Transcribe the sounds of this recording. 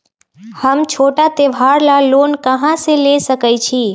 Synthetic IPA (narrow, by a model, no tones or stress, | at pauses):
həmt͡ʃʰoʈat̪eʋʱaɾlalonkəɦãselesəkəjt͡ʃʰi